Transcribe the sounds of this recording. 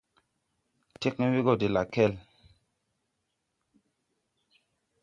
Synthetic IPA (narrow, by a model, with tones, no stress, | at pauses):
ti˦k̚ni˦vi˦ɡo˦˨di˨la˨kɛ˦˨l